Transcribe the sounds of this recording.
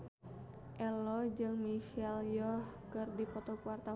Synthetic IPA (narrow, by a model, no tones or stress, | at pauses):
ʔɛlɔd͡ʒɨŋmiʃɛljɔhkɨrdipɔt̪ɔkuwart̪a